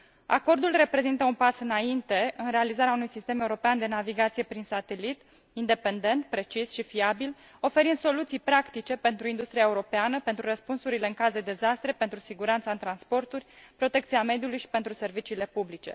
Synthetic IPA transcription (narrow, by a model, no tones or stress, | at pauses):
a̰ko̞rd̪ulre̞pɾe̞zint̪əunpasɨnaint̪e̞ɨnre̞alizaɾeaunujsist̪e̞me̞uɾo̞peand̪e̞naviɡat̪sije̞pɾinsat̪e̞lit̪ | ind̪e̞pe̞nd̪e̞nt̪pɾe̞t͡ʃisʃifiabil | o̞fe̞ɾind̪so̞lut̪sijpɾakt̪it͡ʃe̞pe̞nt̪ɾuind̪ust̪ɾiaeuɾo̞peanəpe̞nt̪ɾurəspunsuɾile̞ɨŋkazd̪e̞d̪e̞zast̪ɾe̞pent̪ɾusiɡuɾant̪saɨnt̪ɾanspo̞rt̪urʲpɾo̞t̪e̞kt̪siame̞d̪julujʃi̥pe̞nt̪ɾuse̞rvit͡ʃiːle̞publit͡ʃe̞̰